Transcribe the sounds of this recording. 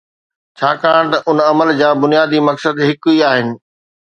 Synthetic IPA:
t͡ɕʰaːkaːɽ̃t̪ɐʔʊnɐməld͡ʑãːbʊnijaːd̪imɐksəd̪ɦɪkʊiaːɦɪnɪ̆

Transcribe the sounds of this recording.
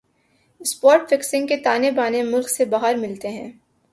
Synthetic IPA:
ɪspɔːɾʈfɪksɪ̃ŋɡket̪aːnebaːnemʊlksebaːɦəɾmɪlt̪eɦɛ̃ː

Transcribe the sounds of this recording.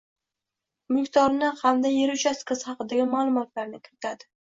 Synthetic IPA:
mʊkʲt̪ʰɒɾnɪhʰamd̪ajeɾʊt͡ʃʰaskɨz̥hɑqɨd̪aɡʲɪmalˠʊmɒt̪laɾnɪkʲʰɪɾɪt̪ʰad̪ɪ

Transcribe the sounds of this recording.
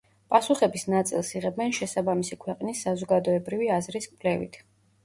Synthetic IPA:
pʼasuχɛbisnat̪sʼilˠsiʁɛbɛnʃɛsabamisikʰwɛqʼnisːazɔɡad̪ɔɛbɾiviazɾiskʼvlɛvḭt̪ʰ

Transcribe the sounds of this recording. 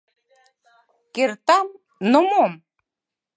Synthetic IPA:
kert̪ɑm | nomom

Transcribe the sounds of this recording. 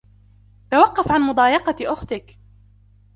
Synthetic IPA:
t̪awɑqːɑfʕanmʊd̪ˤɑːjɑqɑʔʊxt̪ɪk

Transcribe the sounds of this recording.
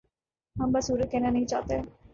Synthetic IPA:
ɦɐmbasuːɾət̪̚kɛːnanɐɦĩt͡ʃa̰ːt̪eɦɛ̃ː

